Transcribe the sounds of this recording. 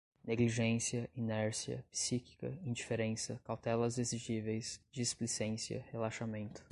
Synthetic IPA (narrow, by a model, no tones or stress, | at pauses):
neɡliʒẽsiɐʔinɛɾsiɐ̰pi̥siki̥kɐ̰ĩd͡ʒifeɾẽsɐkawt̪ɛlɐzeziʒivejsd͡ʒisplisẽsiɐ̰helaʃamẽnt̪ʊ̥